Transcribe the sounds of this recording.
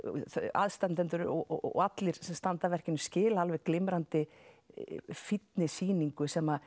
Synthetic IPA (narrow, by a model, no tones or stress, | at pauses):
θa̰ðst̪ant̪ɛnt̪ʏɾɔ̰at̪lɪɾ̥sɛmst̪ant̪avɛr̥cɪnʏmscɪːlaalvɛɣklɪmɾant̪ɪ | fit̪nɪsiːniŋkʏsɛma